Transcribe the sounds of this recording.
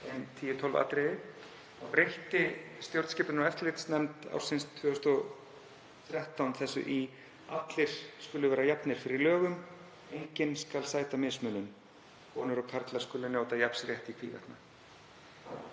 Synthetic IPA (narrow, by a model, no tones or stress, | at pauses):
ɛnt̪ʰiːjɪt̪ʰɔwlva̰ːt̪ɾɪ | ɔɣrejht̪ɪst̪jowɾt̪scɪːplɪnaɛft̪lɪːt̪snɛmt̪a̰wɾ̥sɪnst̪ʰvʏːœʏst̪ɔ | θɾjaht̪awnθɛsːʏ̰ʔi | at̪lɪɾ̥skʏlːʏvɛːɾajapnɪɾ̥fɪɾɪɾlœːɣʏm | ejɲcɪnskalsaːjt̪amɪsmœnʏm | kʰɔːnʏɾɔkʰaɾt̪laɾ̥skʏːlːʏnjoːwt̪ajapsɾjɛht̪ikʰv̥ḭːvɛ̰ht̪na